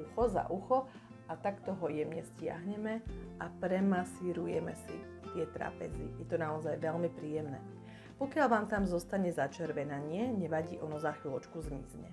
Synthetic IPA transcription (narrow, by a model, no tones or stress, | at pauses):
uxɔza̰ʔuxɔ | ʔat̪akt̪ɔɦɔjɛmɲɛscɪa̰ɦɲɛmɛʔapɾɛmasiɾujɛmɛ̰sḭ | t̪ɪɛt̪ɾa̰ːpɛ̰zḭjɛt̪ɔnaɔzajʋɛlmipɾiːjɛmnɛ̰ː | pɔkɪalʋaːmt̪amzɔst̪aɲɛzat͡ʃɛɾʋɛnaɲɪɛɲɛʋaɟiːʔɔnɔzaːxilɔt͡ʃkuzmḭzɲɛ̰